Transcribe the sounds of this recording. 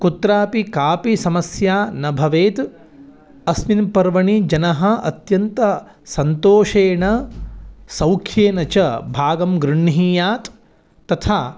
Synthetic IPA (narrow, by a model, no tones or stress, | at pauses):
kut̪ɾaːpikaːpisɐmɐsjaːnɐbʱɐʋeːt̪ | ɐsminpɐɾʋɐɳid͡ʒɐnɐɦɐ̆ɐ̰t̪jɐnt̪ɐ | sɐnt̪oːʂeːɳɐ | sɐwkʰjeːnɐt͡ʃɐbʱaːɡɐmɡɾuɳːɦiːjaːt̪ː | ɐt̪ʰaː